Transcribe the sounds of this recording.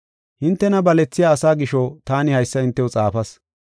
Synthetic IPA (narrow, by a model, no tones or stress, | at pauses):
hɪnt̪ːɛnɐbɐlɛt͡sːɪjaːsaːɡɪʃɔt̪aːnɪhɐjsːɐɪnt̪ːɛwɔt͡sʼaːfɐs